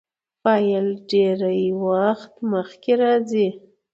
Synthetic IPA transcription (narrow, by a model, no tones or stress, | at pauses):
fɑjəlɖeɾajwaxt̪məxkeɾɑzi